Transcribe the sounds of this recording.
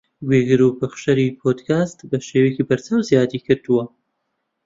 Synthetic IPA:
ɡweɡɨɾupɨχʃɐɾipʰod̪kʰaːst̪bɐʃeːwekiːbɐɾt͡saːwzijaːd̪ikʰɨɾd̪uwɐ

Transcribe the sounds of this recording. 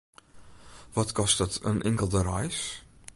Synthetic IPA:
vɔtkɔstətʰə̰nʔɪŋkəlˠdəɾɑjs

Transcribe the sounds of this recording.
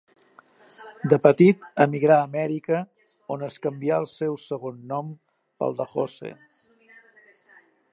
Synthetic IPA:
d̪əpət̪it̪əmiɣɾaəmɛɾikə | onəskəmbiaəlˠsɛwsəɣ̞onːɔm | pə̰lˠd̪əxosḛ

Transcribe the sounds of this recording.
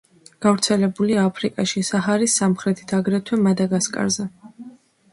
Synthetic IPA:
ɡ̥avɾt̪sʰɛlɛbuliaːpʰɾikʼaʃisaɦaɾisːamχɾɛt̪ʰi̥t̪ʰaɡɾɛt̪ʰwɛmad̪aɡaskʼa̰ɾzɛ

